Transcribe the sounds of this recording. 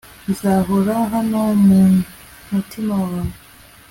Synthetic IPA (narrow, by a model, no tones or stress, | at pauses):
zaːɦoɾaɦanomu | mutʰimawwanu